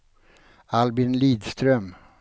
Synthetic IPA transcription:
albɪnliːd̪st̪ɾœm

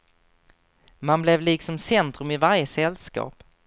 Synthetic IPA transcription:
manblɛvliːksɔmsɛnt̪ɾɵmɪvaɾjəsɛlskɑ̰ːp

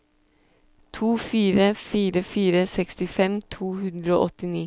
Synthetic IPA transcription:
t̪ʰuːfiːɾəfiːɾəfiːɾəsɛkst̪ɪfɛmt̪ʰuːhʉnd̪ɾəo̰ːʔɔt̪ɪniː

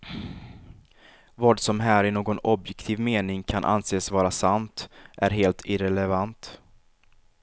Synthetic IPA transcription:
vɑːɖsɔmɦæːɾɪnoːɡɔnɔbjɛkt̪ʰiːvmeːnɪŋkʰanʔa̰nseːsvɑːɾasant̪ʔæɾɦeːlt̪ʰɪɾɛlɛvant̪

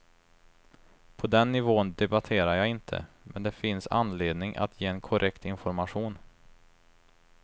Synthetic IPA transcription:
pʰɔd̪ɛnːɪvoːənd̪ɛbat̪ʰeːɾaɾjaːɪnt̪ʰə̰ | mɛnd̪ɛfɪnsa̰nːleːd̪nɪŋʔa̰t̪ʰjeːɛnkʰɔɾʔɛkt̪ɪnfɔɾmaɧuːn

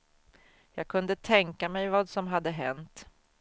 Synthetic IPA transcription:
jɑːɡ̚kʰɵnd̪ət̪ʰɛŋkamɛjvɑːd̪sɔmɦad̪ːəɦɛ̰nt̪

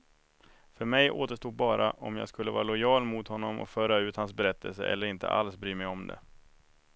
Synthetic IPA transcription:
fœɾmɛjʔo̰ːt̪əʂtuːd̪̚bɑːɾʔaʔɔmjɑ̰ːɡskɵlːəvɑ̰ːɾalʊjɑːlmʊt̪hɔnːɔmʔɔ̰kfœːɾaʉ̟ːt̪hans̬bɛɾɛt̪ʰːəls̬əʔɛ̰lːəɾɪnt̪ʰə̰ʔa̰lsbɾyːmɛjɔmd̪ɛ̰

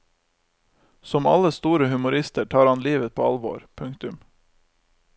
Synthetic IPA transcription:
sɔmɑ̰ləst̪uːɾəhʉmʊɾɪst̪əʈʰɑːɾɑnliːʋəpʰo̰ːɑ̰lʋo̰ːɾpʰʉŋt̪ʉm

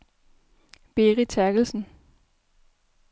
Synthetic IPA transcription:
b̥eːʁit͡sʰæɐɡ̥l̩sn̩

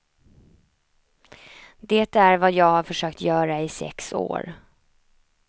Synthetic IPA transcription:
d̪eːt̪æɾvajɑːɡhaɾfœʂøːk̚t̪jœːɾaɪsɛ̰kso̰ːɾ

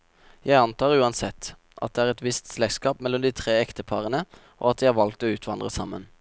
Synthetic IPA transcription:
jæɪɑnt̪ʰɑːʁʉːɑnsɛt̪ː | ʔɑ̰t̪̚d̪ɛæːʁɛt̪ʋɪst̪slɛɡskɑːpmɛlːɔmd̪iːt̪ʰʁeːɛkt̪əpʰɑʁənəʔo̰ːɑt̪d̪iːæʋɑlk̚t̪oːʉːt̪ʰʋɑnd̪ʁəsɑmːə̰n

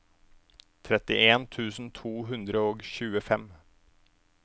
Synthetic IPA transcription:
t̪ʰɾɛt̪ɪʔeːnt̪ʰʉːsn̩t̪ʰvuːɦɵnd̪ɾəoːɡɕʉːəfɛm

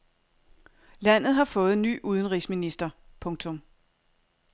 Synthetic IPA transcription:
læn̰ð̞̩ˠɦɑ̈fɔ̽ːð̞̩ˠny̰ːʔuð̞ˠən̩ʁḭːsminisd̥ɐpʰɔ̽ŋt͡sʰɔ̽m

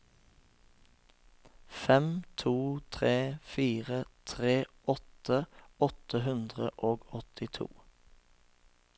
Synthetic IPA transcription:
fɛmt̪ʰuːt̪ʰʁeːfiːʁət̪ʰʁeːʔɔt̪əɔt̪əɦʉnd̪ʁəʔoːɡɔt̪ʰɪt̪ʰṵː

